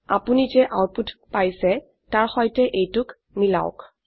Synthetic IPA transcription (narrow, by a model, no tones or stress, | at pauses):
apunizɛʔaputʰpajsɛ | taɹxɔjtɛʔejtʊk | mila̰ʊk